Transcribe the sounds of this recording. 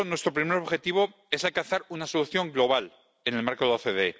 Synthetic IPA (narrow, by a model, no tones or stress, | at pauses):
nwe̞st̪ɾo̞pɾime̞ɾo̞βxe̞t̪iβ̞o̞ | e̞salkanθaɾunaso̞luθjo̞ŋɡlo̞β̞al | e̞ne̞lmaɾkoðeoθeðe